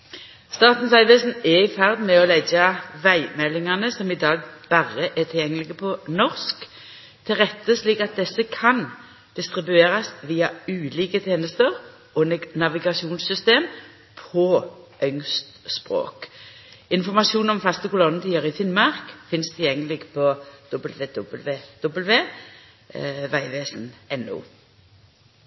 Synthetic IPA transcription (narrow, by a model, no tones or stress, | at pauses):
st̪ɑːt̪n̩sæɪʋesnɛɪfæʁd̪mɛɔlɛɡəʋæɪmɛlːɪŋɑnəsɔmɪd̪ɑːɡb̥æʁːəʔɛt̪ʰɪljɛŋːəlɪɡəpʰɔnɔʁsk | t̪ʰɪlʁɛt̪ːəsliːkɑt̪̚d̪ɛsːəkʰɑn | d̪̥ɪst̪ʁɪbʉeːʁɑsʋiːɑʉːliːkət̪ʰeːnəst̪əʁ | ɔnɑʋɪɡɑsuːnsʏst̪eːm | pʰɔʔœŋst̪spʁo̰ːk | ɪnfɔʁmɑsuːnɔmfɑst̪əkʊlɔnːət̪ʰiːəʁɪfɪnmɑʁkfɪnst̪ʰɪljɛŋːəlɪɡpʰɔd̪̥ɔbəlʋeːd̪ɔblʋeːd̪̥ɔbəlʋeː | ʋæɪʋeːsnɛnːʊ̰ː